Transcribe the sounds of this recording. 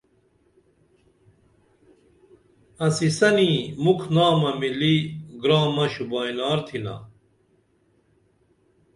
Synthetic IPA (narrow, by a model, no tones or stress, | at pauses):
ɐsisɐnimukʰnaːmɐmiliɡɾaːmɐɕubaːjnaːɾt̪ʰina̰